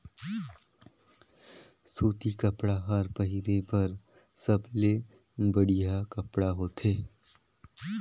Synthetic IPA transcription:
soːt̪ikɐpɽaɦɐɾpɐɦɪɾepɐɾ | sɐble | bɐɽijakɐpɽaɦoːt̪ʰeː

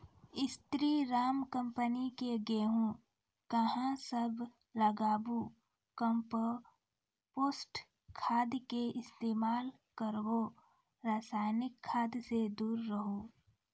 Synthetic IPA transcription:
ɪst̪ɾiːɾaːmkə̃mpənikeɡeːɦũ | kəɦãsəbʱ | lɐɡaːbu | kəmpə | poːsʈ | kʰaːd̪keɪst̪eːmaːl | kəɾbo | ɾaːsaːjnɪkʰːaːd̪sed̪uːɾːəɦoː

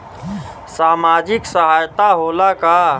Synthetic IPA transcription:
saːmad͡ʒɪksəɦajt̪aɦolaka

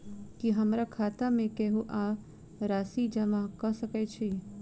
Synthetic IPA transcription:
kiɦəmɾakʰat̪amẽkɛɦuʔa | ɾaːsid͡ʒəmãkəsəket͡ʃʰe

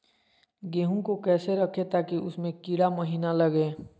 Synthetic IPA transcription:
ɡeːɦũkokɛːseɾəkʰet̪aːkiʔʊsmẽkiɽaməɦiːnaləɡeː

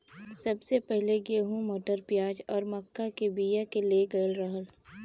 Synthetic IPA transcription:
sɐbsepɛɦleɡeːɦũmoːʈəɾpjaːd͡ʒɔːɾmɐkːakebiːjakeleɡɐlɾɐɦəl

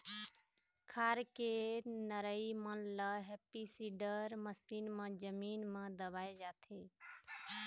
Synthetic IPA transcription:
kʰaɾkenəɾəimənləɦepisiɖəɾməsinmẽd͡ʒəminmẽd̪əbajd͡ʒat̪ʰi

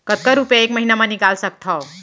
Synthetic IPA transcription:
kət̪̚kaɾupjeekməɦinamaniɡalsək̚t̪ʰɔ

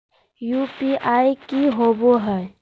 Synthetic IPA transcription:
juːpiʔaːikiɦoboɦɛ

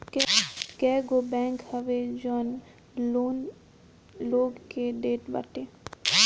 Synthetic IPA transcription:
kkɛːɡobɛ̃ːŋkhɐʋed͡ʒɔːn | on | loːɡkeɖeːʈbɐ̰ʈeː

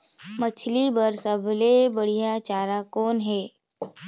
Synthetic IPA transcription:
mət͡ʃʰlibəɾsəbʱlebəɽ̤ijat͡ʃaːɾakɔːnɦɛː

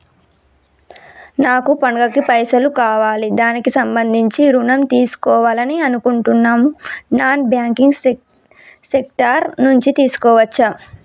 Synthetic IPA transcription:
naːkupɐŋɡɐkipɐjsɐlukaːʋaːlid̪aːnikisɐmbɐnd̪ʱiɲt͡ʃiɾunɐmt̪iːsu̥kɔːʋaːlɐniɐnukuɳʈunːaːmunaːnbjaːŋkiŋɡ | sek̚ʈɐɾnuɲt͡ʃit̪iːsu̥kɔːʋɐt͡ʃːa

